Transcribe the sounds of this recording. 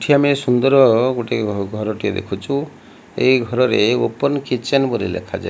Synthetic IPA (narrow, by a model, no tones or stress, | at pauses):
ʈʰiamesund̪ɔɾɔɡoʈeɡʱɔɾɔʈied̪ḛkʰut͡ʃʰu | eiɡʱɔɾɔɾeopɔnkit͡ʃenbɔɾḭlḛkʰad͡ʒa̰